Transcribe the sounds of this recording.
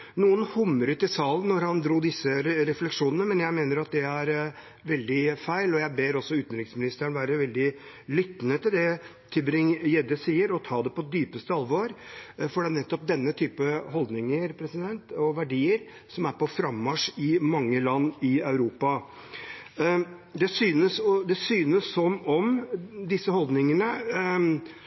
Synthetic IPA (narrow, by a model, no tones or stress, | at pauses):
nuːənhʊmːəɾʉːt̪ɪsɑːlənːɔɾhɑnd̪ɾuːd̪ɪsːəɾɛflɛkʂuːnənəmɛnjæɪmeːnəɾɑt̪̚d̪ɛæɾ | ʋɛld̪ɪfæɪlɔjæɪbeːɾɔsːɔʉːt̪n̩ɾɪksmɪnɪst̪əɾəɳʋæːɾəʋɛld̪ɪ | lʏt̪ːnət̪ɪld̪ɛ | t̪ʰɪbɾɪŋjɛd̪əsiːəɾɔt̪ʰɑːd̪ɛpɔd̪yːpəst̪əɑlʋɔɾfɔɖɛnɛt̪ːɔp̚d̪ɛnːət̪ʰyːpəɦɔld̪nɪŋəɾpʰɾɛsɪd̪ɛnt̪ɔʋæɖiːəɾ | sɔmæɾpɔfɾɑmːɑʂɪmɑŋːəlɑnːɪɑʉɾuːpɑ | d̪ɛsyːnəsɔd̪ɛsyːnəssɔmːɔmd̪ɪsːəhɔld̪nɪŋənə